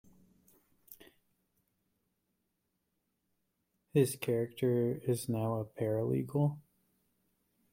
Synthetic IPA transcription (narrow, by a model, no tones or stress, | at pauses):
hɪz̥kʰɛɹɨk̚tʰə˞ɪznaʊəpʰɛɹɨlḭɡl̩ˠ